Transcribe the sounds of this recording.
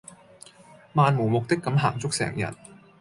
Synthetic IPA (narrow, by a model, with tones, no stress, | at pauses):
maː˨˧nmuː˨˩mʊ˨k̚t̪ɪ˥kːɐ˨˧˥mɦa̰ː˨˩ŋt͡sʊ˥k̚sɛ̰ː˨˩ŋjɐ̰˨˩n